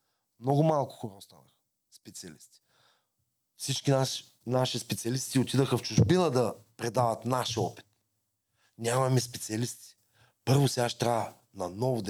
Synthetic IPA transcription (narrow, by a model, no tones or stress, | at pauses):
mnɔɡʊmalˠkʊ̥xoɾɔst̪a̰nəxə̥ | spɛt̪siɐlist̪i̥ | fsit͡ʃkinaʃ | naʃispɛt̪siɐlist̪iot̪id̪əxəft͡ʃʊʒbinəd̪ɐpɾɛd̪avɐt̪naʃɔpi̥t̪ | nʲamɐmɛspɛt̪siɐlist̪i̥ | pɤɾvʊsɛaʃt̪ɾavə | nɐnɔvʊd̪